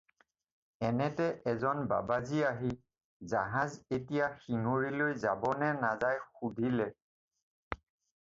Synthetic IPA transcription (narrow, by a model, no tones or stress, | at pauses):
ɛnɛtɛʔɛzɔnba̰baziaɦi | zaɦazetijaxiŋoɹilojzabɔnɛnazajxudʱilɛ